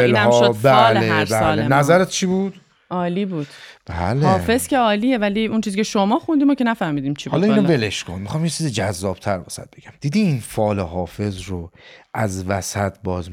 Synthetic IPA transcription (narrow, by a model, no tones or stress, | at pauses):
elæmʃobælebæɒlenæzæɾet̪̚t͡ʃʰiːbud̪̥ | ʔɒːliːbuːd̥̪b̥æ̰lheɒːfe̞zcʰe̞ɒːlievæliːunt͡ʃʰiːziːcʰeʃomɒːxund̪iːmoce̞næfæhmiːd̪iːmt͡ʃʰihɒːlɒːinobeleʃkʰonmixɒːmjet͡ʃʰiːzid͡ʒæzːɒːb̥̚t̪ʰæɾvæsæ̰t̪̚be̞ɡ̥æmd̪iːd̪iinfɒːleɦɒːfe̞zɾoʔæzvæsæt̪ʰbɒːz